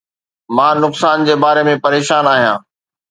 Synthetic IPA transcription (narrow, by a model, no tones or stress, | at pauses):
mãːnʊksaːnd͡ʑeːbaːɾemẽpɐɾeːʃaːnaːɦijãː